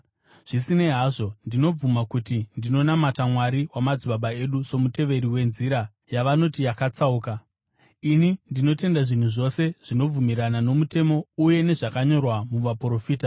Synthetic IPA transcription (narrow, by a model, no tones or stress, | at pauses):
ʐ̥isine̞ɦaːʐo̞ndino̞b͡vumakutindino̞namatamwaɾiwamad͡ziɓaɓae̞ɗuso̞mute̞ʋe̞ɾiwe̞nziɾa | jaʋano̞tijakat͡sauːka | inindino̞te̞ndaʐin̤uʐo̞se̞ʐ̥ino̞b͡vumiɾanano̞mute̞mo̞uje̞ne̞ʐakaɲo̞rwamuʋapro̞fiːta